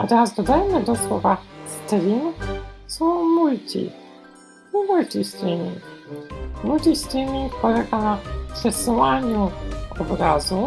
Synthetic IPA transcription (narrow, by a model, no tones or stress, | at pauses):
a̰t̪aazd̪ɔd̪ajɛmɛd̪ɔswɔvast̪ɾʲinsɔwmult̪ʲḭ | ɲimult̪ʲist̪ɾinʲiŋ | mulʲt̪ʲist̪inʲikɔlɛɡanapʂɛsuwaɲuɔbɾazu